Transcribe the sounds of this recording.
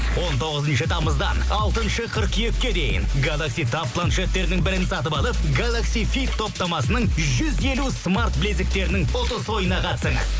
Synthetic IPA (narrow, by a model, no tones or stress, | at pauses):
wo̞nt̪ʰo̞ʁəzənʃət̪ʰɑməzd̪ɑnɑlˠt̪ənʃəqʰəɾqjekʲːe̞d̪e̞jɪ̰nɡalˠaksijt̪ʰap̚pʰːlˠanʃet̪ːe̞ɾɪnɪŋbɪɾɪnsɑt̪əbɑlˠəpɡalˠaksijfit̪ʰːo̞p̚t̪ɑmɑsənəɴʒʏze̞lusmart̪̚blezɪk̚t̪e̞ɾɪnɪŋfo̞t̪əswo̞jənɑqʰɑt̪səɴə